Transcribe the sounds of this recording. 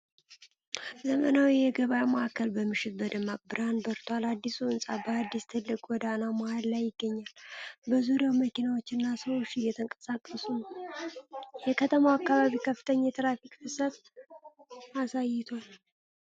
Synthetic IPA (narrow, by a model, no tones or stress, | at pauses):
zəmənawijɛɡəβajməʔakːəlbəmːɨʃɪt̪̚bəd̪əmakbɨɾanbəɾt̪ʰwalad̪ːisuɨnsʼabəad̪ːist̪ʰɨlːɨkʼwɔd̪anamahallajːɪɡːəɲːalbəzuɾjaməkinawo̞t͡ʃːɪnːasəwot͡ʃːɪjɛt̪ʰəŋkʼəsakʼːəsunəw | jɛkʰət̪ʰəmawakːaβaβikʰəfːɨ̥t̪ʰəɲːajɛt̪ʰɨɾafikʼfɨsət̪ | asajːɪt̪ʰo